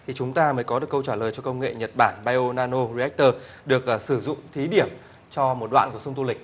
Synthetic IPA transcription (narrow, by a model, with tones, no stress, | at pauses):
t̪ʰi˨˩t͡ɕʊ˨˦ŋ͡mt̪aː˧məː˨˦jkɔ˨˦ɨ˨˩əkə˧wt͡ɕaː˧˩ləː˨˩jt͡ɕɔ˧kə˧wŋ͡mŋḛ˧˨ɲə˨˩t̚ɓaː˧˩nɓaː˧jʔo˧naː˧no˧zi˧ɛ˦˥k̚t̪əː˧ | ɗɨ˨˩ək̚ʔːsɨ˧˩zʊ̰˧˨ŋ͡mt̪ʰi˨˦ɗi˧˩əm | t͡ɕɔ˧mo˨˩t̚ɗwa̰ː˧˨nku˧˩əsʊ˧ŋ͡mt̪u˧lï˨˩k̟̚